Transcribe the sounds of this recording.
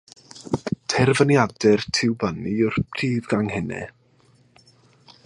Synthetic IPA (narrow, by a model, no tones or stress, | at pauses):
tʰɛrvənjadɛrtʰɪwbəniʊrpʰr̥iːðɡaŋhɪnɛ̰